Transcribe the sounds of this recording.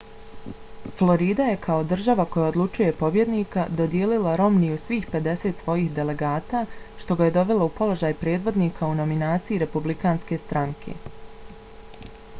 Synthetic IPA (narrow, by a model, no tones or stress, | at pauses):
flˠo̞ɾiːd̪aje̞kʰao̞d̪r̩ʒaʋako̞jaod̪lˠut͡ʃuje̞po̞bje̞d̪niːkad̪o̞d̪jeːlilaɾo̞mnijusʋiːxpe̞d̪e̞se̞t̪sʋo̞jiːxd̪e̞le̞ɡaːt̪aʃt̪o̞ɡaje̞d̪o̞ʋe̞laupo̞lˠo̞ʒaːjpɾe̞ːd̪ʋo̞d̪niːkʰauno̞minaːt̪sijiɾe̞publikaːnske̞st̪ɾaŋkʰe̞̰